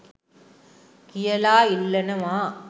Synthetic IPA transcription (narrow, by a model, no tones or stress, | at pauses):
kɪjɐlaːɪlːɐnɐmaː